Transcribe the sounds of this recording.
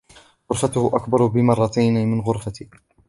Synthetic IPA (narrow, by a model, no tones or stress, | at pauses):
ɣʊɾfat̪ʊhʊʔakbɑɾˤbɪmɑrˤːɑt̪ajnɪmɪnɣʊɾˤfat̪i